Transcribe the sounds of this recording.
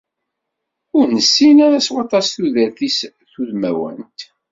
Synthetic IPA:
ʊɾnəsːinaɾæswɑt̪ˤɑsθuðælθis | θuðmæ̰wə̰nt̪

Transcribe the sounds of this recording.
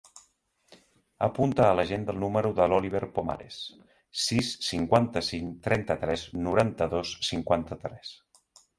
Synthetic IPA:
əpunt̪əːləʒend̪əlˠnuməɾuðəlɔliβ̞eɾpoma̰ɾḛs | sisːiŋkwant̪əsiŋt̪ɾɛnt̪ət̪ɾɛznuɾant̪əðosːiŋkwant̪ət̪ɾɛs

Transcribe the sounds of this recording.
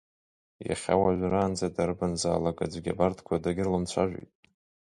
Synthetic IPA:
ja̰χʲa̰waʒʷraːnd͡zadarbanza̰ːlakʼad͡zʷɡʲa̰bartʰkʷʰadaɡʲɪrlɨmt͡sʷʰaʒʷᶣḛjtʼ

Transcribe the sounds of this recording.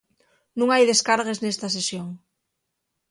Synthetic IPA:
nũŋajðeskaɾɣeznest̪as̬esjoŋ

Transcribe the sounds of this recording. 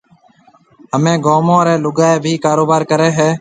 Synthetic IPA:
ɦəmẽːɡoːmõːɾeːlʊɡaːeːbʱiːkaːɾoːbaːɾkəɾeːɦeː

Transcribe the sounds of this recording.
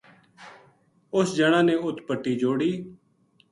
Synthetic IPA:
ʊsd͡ʒəɽ̃ãːnẽːʊt̪ʰpəʈːiːd͡ʒoːɽiː

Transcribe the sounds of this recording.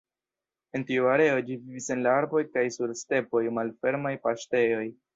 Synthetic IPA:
e̞ntiuaɾe̞o̞d͡ʒivivise̞nlaaɾbo̞jkajsuɾste̞po̞jmalfe̞ɾmajpaʃte̞jo̞j

